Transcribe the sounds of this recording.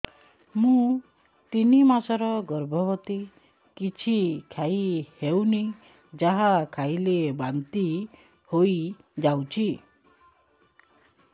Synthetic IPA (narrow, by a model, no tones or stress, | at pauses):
mũ | t̪inimasɔɾɔɡɔɾbʱɔbɔt̪i | kit͡ʃʰikʰajhewni | d͡ʒaɦakʰajlebant̪i | hoj | d͡ʒawt͡ʃʰi